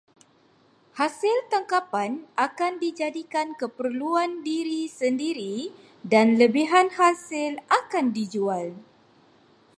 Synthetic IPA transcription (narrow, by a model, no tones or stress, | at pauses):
hasɪlt̪aŋkapanʔakandid͡ʒadikankəpərluandiɾisəndiɾi | danləbiɦanhasɪlakandid͡ʒual